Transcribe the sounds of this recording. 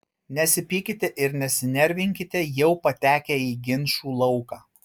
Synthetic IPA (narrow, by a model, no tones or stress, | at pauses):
nʲɛsʲɪpʲiːkʲɪt̪ʲɛʔɪɾnʲɛsʲɪnʲɛɾʲʋʲɪŋʲkʲɪt̪ʲɛjɛʊpɐt̪ʲæːkʲɛiːɡʲɪnʲʃuːlˠɐʊkɑː